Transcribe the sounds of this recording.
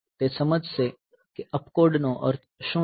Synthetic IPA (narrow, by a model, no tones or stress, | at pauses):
t̪eːsɐməd͡ʒʱse | keʔɐpkoːɖnõʔɔ̰ːɾ | ʃũː